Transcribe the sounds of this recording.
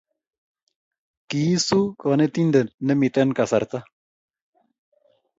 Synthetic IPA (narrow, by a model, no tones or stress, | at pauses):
kiːsukɔnet̪ind̪ennːemit̪ɐnkɐsɐ̰ɾt̪a